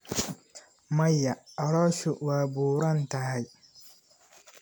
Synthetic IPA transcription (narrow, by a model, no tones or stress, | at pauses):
majːaaɽɔʃuwaːbuːɾɔntahaj